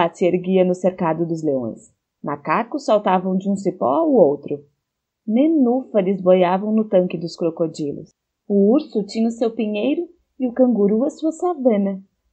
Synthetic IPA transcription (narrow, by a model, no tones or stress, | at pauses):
at͡ʃɪeɾɡiɐnʊseɾkad̪ʊd̪ʊzleõ̰j̃s | makakʊsːawt̪avɐ̃w̃d͡ʒɪũsipɔ̰aowt̪ɾʊ | mẽnufɐlɪzbojavɐ̃w̃nʊt̪ɐ̃ŋkɪd̪ʊskɾokod͡ʒilʊ̰s | ʊuɾsʊt͡ʃĩɲɐʊsewpiɲejɾʊ | ɪʊkɐ̃ŋɡuɾuɐsuɐsavẽnɐ